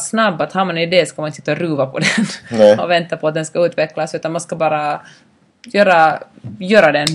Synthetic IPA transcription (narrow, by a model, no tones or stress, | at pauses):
snabːat̪haːɾmanɛd̪ɛsɔkamanɪnt̪ʰɪ̥t̪ːɾʉːvapʰɔd̪ɛnɔvɛnt̪apʰɔat̪̚d̪ɛnskaʉːt̪vɛklasʉ̟ːt̪anmanskabɑːɾa | jøːɾajøːɾad̪ɛn